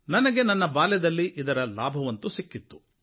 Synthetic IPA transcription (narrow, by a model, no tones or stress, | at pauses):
nɐnɐɡe̞nɐnːɐbaːlɛd̪ɐlːiʔid̪ɐɾɐlaːbʱɐʋɐnt̪usikːit̪ːu̥